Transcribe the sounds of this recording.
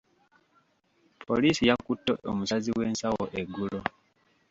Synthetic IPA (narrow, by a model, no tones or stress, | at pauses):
pʰoliːsijakutːoomusaziwe̞ːnsawo̰ʔeɡulo